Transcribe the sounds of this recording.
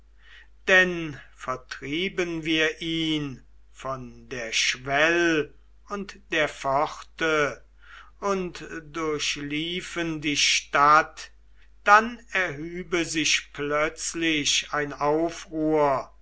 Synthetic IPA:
d̥ɛnfɛɐtʁ̥iːbənviːɐʔiːn | fɔndeːɐʃvɛl | ʊntd̥eːɐfɔχtə | ʊntdʊɐɕliːfəndiːʃtat | d̥anɛɐɦyːbəzɪʃplœt͡slɪʃaɪnaʊfʁuːɐ

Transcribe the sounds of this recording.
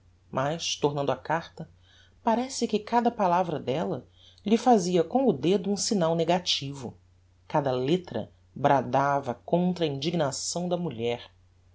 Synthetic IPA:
mʔaʃt̪oɾnɐ̃nd̪ʊakaɾt̪ɐ | paɾɛsɪkɪkad̪ɐpalavɾɐd̪ɛlɐ | ʎɪfaziɐkõw̃ʊd̪ed̪ʊũsinawneɡat͡ʃivʊ̰ | kad̪ɐlet̪ɾɐ̰ | bɾad̪avɐkõnt̪ɾɐĩd͡ʒiɡnasɐ̃w̃d̪ɐmuʎɛɾ

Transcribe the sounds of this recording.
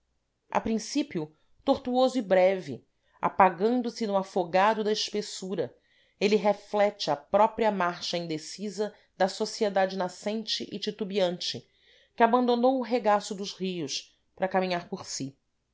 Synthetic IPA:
a̰pɾĩsipiʊ | t̪oχt̪uozʊibɾɛvi | a̰paɡɐ̃nd̪ʊsɪnʊafoɡad̪ʊd̪ɐɪʃpesuɾɐ | eliɦeflɛt͡ʃɪɐpɾɔpɾiɐmaɾʃɐĩnd̪esizɐ | d̪ɐsosied̪ad͡ʒɪnasẽnt͡ʃɪʔɪt͡ʃit̪ubiɐ̃nt͡ʃɪ | kɪabɐ̃nd̪onowʊɦeɡasʊd̪ʊzhiʊs | pɾɐkamĩɲaɾpoɾsi

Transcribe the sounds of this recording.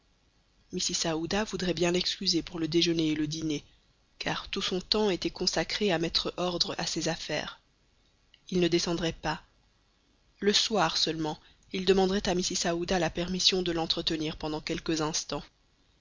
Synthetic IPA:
misisaud̪avud̪ʁɛbjɛ̃lɛkskʲyzepuʁləd̪eʒəneːləd̪ine | kʰa̰ʁt̪usɔ̃t̪ɑ̃et̪ɛkɔ̃sakχeamɛt̪χəʔɔʁd̪ʁəa̰sezafɛ̰ːʁ | ilnəd̪esɑ̃d̪ʁɛpa | ləswaʁsœlmɑ̃ | ild̪əmɑ̃d̪ʁɛt̪amisisaud̪alapɛʁmisjɔ̃d̪əlɑ̃t̪χət̪əniːʁpɑ̃d̪ɑ̃kʲɛlkəzɛ̃st̪ɑ̃

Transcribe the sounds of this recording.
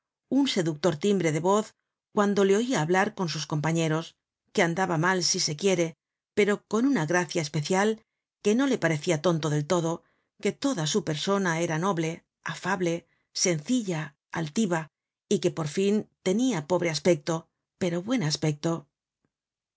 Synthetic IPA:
unse̞ðuk̚t̪o̞ɾt̪imbɾe̞ðe̞βo̞θ | kwand̪o̞le̞o̞iaːβlaɾko̞nsusko̞mpaɲe̞ɾo̞s | ke̞and̪aβamalsise̞kje̞ɾe̞ | pe̞ɾo̞ko̞nunaɣɾaθjaespe̞θjal | ke̞no̞le̞paɾe̞θiat̪o̞nt̪oðe̞lt̪o̞ðo̞ | ke̞t̪o̞ðasupe̞ɾso̞nae̞ɾano̞βle̞ | afaβle̞ | se̞nθiʎa | alt̪iβa | ike̞po̞ɾfint̪e̞niapo̞βɾe̞aspe̞k̚t̪o̞ | pe̞ɾo̞βwe̞naspe̞k̚t̪o̞

